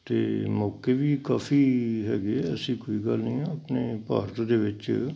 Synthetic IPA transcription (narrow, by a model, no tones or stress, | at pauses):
t̪ḛːmɔːkeːʋiːkaːfʰiːɦɛːɡeːəsĩːkoːiːɡəlnĩːɛ̃əpneːpa̰ːɾt̪d̪eːʋɪt͡ʃ